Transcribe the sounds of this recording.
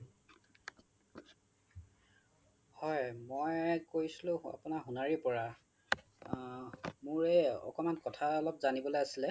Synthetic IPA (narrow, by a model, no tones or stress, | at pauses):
hɔjmojkoɹisilʊ̃a̰pʊnaɦunaɹipɔɹa | mʊɹɛɔ̰kɔmankɔtʰaɔlɔpzanibɔlojasilɛ